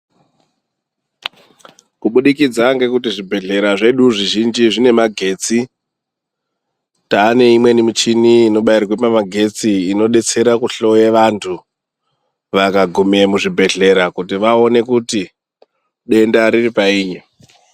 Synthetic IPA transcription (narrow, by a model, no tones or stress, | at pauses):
kuɓuɗikid͡zaŋɡe̞kutiʐibʱe̞ɮe̞ɾaʐe̞ɗuʐiʒind͡ʒiʐine̞maɡʱe̞ːt͡si | taːne̞imwe̞nimit͡ʃiniːno̞ɓairrwepamaɡʱe̞t͡siːno̞ɗe̞t͡se̞ɾakuɬo̞jeʋantʰu | ʋakaɡʱumemuʐibʱe̞ɮe̞ɾakutiʋao̞ne̞kuti | ɗe̞ndaɾiripaiːɲe